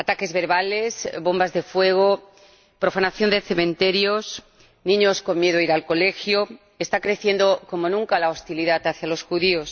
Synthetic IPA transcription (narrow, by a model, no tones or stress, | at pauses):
at̪ake̞zβe̞ɾβale̞zβo̞mbazðe̞fwe̞ɣ̞o | pɾo̞fanaθjo̞nd̪eθe̞mẽnt̪e̞ɾjo̞s | nĩɲo̞sko̞nmje̞ðoiɾalko̞le̞xjo | est̪akɾe̞θje̞nd̪o̞ko̞mo̞nũŋkalaost̪iliðat̪aθjalo̞sxuðio̞s